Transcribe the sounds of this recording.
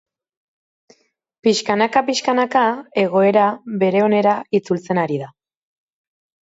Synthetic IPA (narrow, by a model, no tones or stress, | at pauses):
piʃkanakapiʃkanakae̞ɣ̞o̞e̞ɾaβe̞ɾe̞o̞ne̞ɾait͡sult͡se̞naɾiða